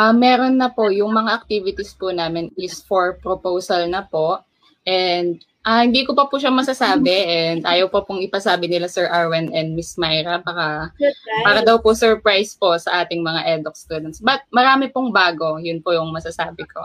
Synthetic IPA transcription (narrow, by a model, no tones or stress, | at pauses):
ʔɐmːɛːɾo̞nːɐpo̞jʊŋmɐŋaʔɐk̚t̪iːvɪt̪ispʊnaːmɪnɪsfoɹpɾopowsɐlnɐpo̞ʔ | ʔɛnd̪̚ | ʔɐhɪnd̪iːkopɐpuʃɐmɐsɐsaːbɛʔɛnd̪ʔaːjɐwpɐpʊŋɪpɐsaːbɪnɪlasɛɹʔaɹwɛnʔɛnd̪̚mɪsmajɾɐbakapaːɾɐd̪ɐwpʊsɛɹpɹajsposɐʔaːt̪ɪŋmɐŋaʔɛd̪ok̚st̪uːd̪ɛnt̪sbɐt̪̚mɐɾaːmɪpʊŋbaːɡo̞jʊnpʊjʊŋmɐsɐsaːbɪkʰo